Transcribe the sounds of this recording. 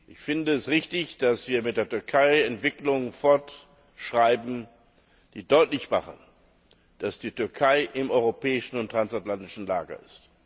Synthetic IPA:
ʔɪçfɪndəɛstʁɪçtɪçd̥asv̥iːɐmɪt̚d̥eːɐtʏɐkʰaɪɛntv̥ɪklʊŋənfɔɐt | ʃʁ̥aɪbm̩ | d̥iːdɔʏtlɪçmaχən | d̥asd̥iːtʏɐkʰaɪʔɪmɔʏʁopɛːɪʃn̩ʊntʁ̥ansatlantɪʃn̩laːɡɐ̰ɪst

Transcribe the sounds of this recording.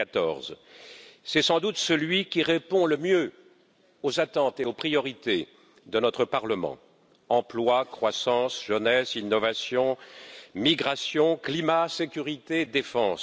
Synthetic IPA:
at̪ɔ̰ʁz | sɛsɑ̃d̪ut̪səlɥikʲiʁepɔ̃ləmjø | ozat̪ɑ̃t̪eopχijɔʁit̪e | d̪ənɔt̪χəpaʁləmɑ̰̃ | ɑ̃plwakχwasɑ̃sʒənɛsinːɔvasjɔ̃miɡʁasjɔ̃klimasekʲyʁit̪ed̪efɑ̃s

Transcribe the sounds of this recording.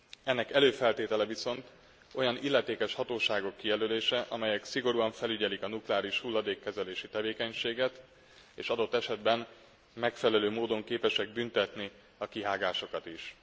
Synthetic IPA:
ɛnːɛkɛløːfɛlt̪eːt̪ɛlɛviso̞nt̪ | o̞jɒnilːɛt̪eːkɛʃhɒt̪oːʃaːɡo̞kːijɛløːleːʃɛʔɒ̰mɛjɛksiɡo̞ɾuɒɱfɛlyɟɛlikɒnuklɛaːɾiʃhulːɒd̪eːkːɛzɛleːʃit̪ɛveːkɛɲʃeːɡɛt̪ | eːʃɒd̪o̞t̪ːɛʃɛd̪bɛn | mɛkfɛlɛløːmoːd̪o̞ŋkeːpɛʃɛɡ̚bynt̪ɛt̪ni | ɒkiɦaːɡaːʃo̞kɒt̪iʃ

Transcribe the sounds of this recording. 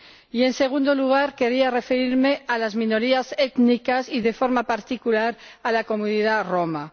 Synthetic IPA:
ie̞nse̞ɣ̞und̪oluɣ̞aɾke̞ɾiare̞feɾiɾme̞ʔalazmĩno̞ɾiaset̪nikasiðe̞fo̞ɾmapaɾt̪ikulaɾ | alako̞munið̞aro̞ma

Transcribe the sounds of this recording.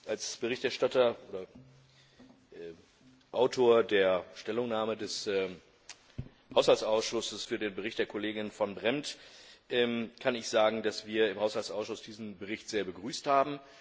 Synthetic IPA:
ʔalsb̥əʁɪçtɛɐʃtatɐʔoːdɐ | ʔɛː | ʔaʊtʰoːɐdeːɐʃtɛlʊŋnaːmədɛsɛː | haʊshalt͡sʔaʊsʃʊsəsfyːɐdeːnbəʁɪçt̚d̥eːɐkʰoleːɡɪnfɔnbʁɛmtʔɛːmkʰanɪçz̥aːɡŋ̩dasv̥iːɐɪmhaʊshalt͡sʔaʊsʃʊsd̥iːzn̩bəʁɪçtz̥eːɐbəɡʁyːsthaːbm̩

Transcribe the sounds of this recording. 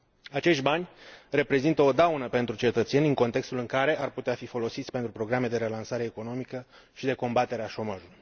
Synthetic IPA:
at͡ʃe̞ʃt̪ʲbanʲre̞pɾe̞zint̪əo̞d̪awnəpe̞nt̪ɾut͡ʃe̞t̪ət̪se̞nʲɨŋko̞nt̪e̞kst̪ulɨŋkaɾe̞arput̪eafifo̞lo̞sit̪sʲpe̞nt̪ɾupɾo̞ɡɾame̞d̪e̞ɾe̞lansaɾe̞ːko̞no̞mikə | ʃid̪e̞ko̞mbat̪e̞ɾeaʃo̞maʒuluj

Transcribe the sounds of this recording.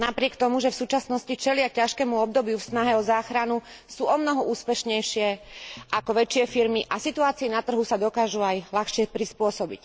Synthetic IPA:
napɾɪɛkt̪ɔmuʒɛfsuːt͡ʃasnɔscit͡ʃɛlɪacaʃkɛːmuɔbd̪ɔbjufsnaɦɛɔzaːxɾanu | suːɔmnɔɦɔuːspɛʃɲɛjʃɪɛʔakɔʋɛt͡ʃɪɛfiɾmiʔasit̪uaːt͡siinat̪r̩ɦusad̪ɔkaːʒuajlaxʃɪɛpɾispʊɔsɔbḭc

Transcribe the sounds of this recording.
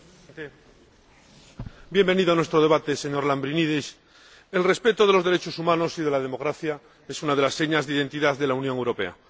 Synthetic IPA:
t̪e | bje̞mbe̞niðoanwest̪ɾo̞ð̞eat̪e̞se̞ɲo̞ɾlambɾiniðis | e̞lre̞spe̞t̪oðe̞lo̞zðeɾe̞t͡ʃo̞sumãno̞siðe̞lað̞e̞mo̞ɣɾaθja | e̞sunað̞e̞lasːe̞ɲazðeiðe̞nt̪iðaððe̞launjoŋewɾo̞pe̞̰a̰

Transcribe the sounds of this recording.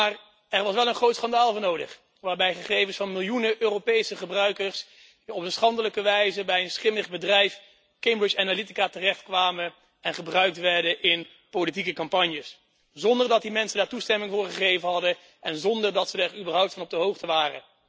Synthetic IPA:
maːr | ɛɹʋɑsʋɛlˠənχrowtsχɑndaːlˠvɔːnowdə̰χ | ʋaːɹbɛjχəχejvənsfɑnmɪlˠjunəʔøːropejsəχəbrœɥkəɹs | ɔpənsχɑndələkəʋɛjzəbɛjənsχɪməχbədrɛjf | kejmbɹɪt͡ʃanalitikaːtərɛχtkʋaːmə | ɛnχəbrœɥk̚tʋɛɹdəʔɪn | polit̬ikəkɑmpɑɲjəs | zɔndəɹdɑt̚dimɛnsəndaːɹtustɛmɪŋvʊːɹχəχejvənɦɑdə | ʔɛnzɔndəɹdɑtsədaɹybəɹɦʌwp̚tfɑnɔbdəɦowχtəʋaːrə̰

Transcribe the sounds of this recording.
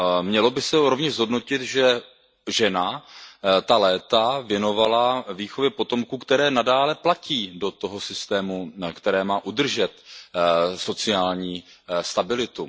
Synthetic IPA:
mɲɛlo̞bɪsɛɾo̞vɲɛʒzɦo̞dno̞cɪt̪ʒɛ | ʒɛna | t̪alɛːt̪avjɛno̞valaviːxo̞vjɛpo̞t̪o̞mkuːkt̪ɛɾɛːnadaːlɛplaciːdo̞t̪o̞ɦo̞sɪst̪ɛːmukt̪ɛɾɛːmaːʔud̪r̩ʒɛt̪ | so̞t͡sɪjaːlɲiːst̪abɪlɪt̪u

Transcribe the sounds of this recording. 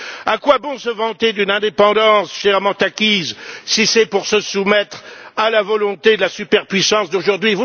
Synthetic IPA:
akwabɔ̃səvɑ̃t̪ed̪ynɛ̃d̪epɑ̃d̪ɑ̃sʃɛʁmɑ̃t̪akʲizsisɛpuʁsəsumɛt̪χalavɔlɔ̃t̪ed̪əlasypɛʁpɥisɑ̃sd̪oʒuʁd̪ɥivu

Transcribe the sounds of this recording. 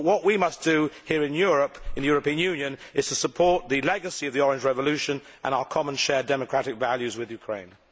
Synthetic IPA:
wʌʔwimʌsd̥ɨhiəɹɨ̃njʊɹəpɨ̃n̩ðɨjɔɹəpĩə̃njʉ̃njɨ̃nɨz̥tʰəsəpʰɔɹt̪̚ðɨlɛɡəsiʌvðiɔɹɪ̃nd͡ʒɹɛvəlʉʃə̃n | ʔə̃naʊəkʰɑmə̃nʃɛːdɛməkʰɹ̥æɾɪkvælˠjʉzwɪðjʉkʰɹ̥ḛ̃ɪ̃n

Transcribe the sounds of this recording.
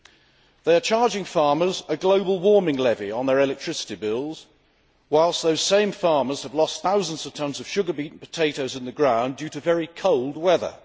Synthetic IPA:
ðeɪət͡ʃʰɑːɹd͡ʒɪ̃ŋfɑɹmə˞zəɡləʊbəlˠwɔɹmɪ̃ŋlɛviə̃nðəɹɛlɛk̚tʰɹ̥ɪsɪ̥tibɪlˠz̥ | waɪlˠsðəʊz̥sẽɪ̃ɱfɑɹməz̥əvlɒsθaʊzə̃nz̥əv̥tʰʌ̃nzəv̥ʃʊɡəbiˑʔn̩pʰə̥tʰeɪɾəʊzɪ̃nðəɡɹãʊ̃ndjʉɾəvɛɹikʰʌʊlˠd̚wɛðə̰

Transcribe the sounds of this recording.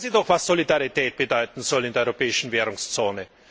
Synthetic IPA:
ziːdɔχv̥asz̥olidaʁitɛːt̚b̥ədɔʏtn̩z̥ɔlɪndeɐɔʏʁopɛːɪʃn̩veːʁʊŋst͡soːnə

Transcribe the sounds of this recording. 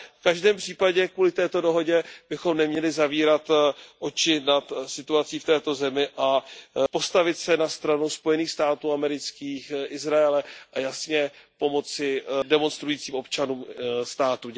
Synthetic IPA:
fkaʒdɛːmpr̝̥iːpaɟɛkvuːlɪt̪ɛːt̪o̞do̞ɦo̞ɟɛb̥ɪxo̞mnɛmɲɛlɪzaviːɾat̪ʔo̞t͡ʃɪnat̪sɪt̪uat͡siːft̪ɛːt̪o̞zɛmɪʔapo̞st̪avɪt̪sɛnast̪ɾanuspo̞jɛniːxst̪aːt̪uːamɛɾɪt͡skiːxʔɪzɾaɛlɛʔajasɲɛpo̞mo̞t͡sɪdɛmo̞nst̪ɾujiːt͡siːmo̞pt͡ʃanuːmst̪aːt̪u

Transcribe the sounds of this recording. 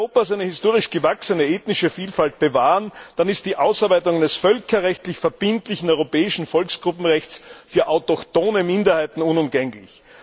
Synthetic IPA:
oːpasæɪnəhɪstoːʁɪʃɡ̥əvaksənəeːtnɪʃəfiːlfalt̚b̥əvaːənd̥anɪst̚d̥iːʔaʊsaɐbæɪtʊŋdɛsfœlkʰɐʁɛçtlɪçfɛɐb̥ɪntlɪçn̩ɔʏʁopɛːɪʃn̩fɔlksɡ̥ʁʊpm̩ʁɛçt͡sfyːɐʔaʊtɔktoːnəmɪndɐhaɪtn̩ʊnʊmɡɛŋlɪ̰ç

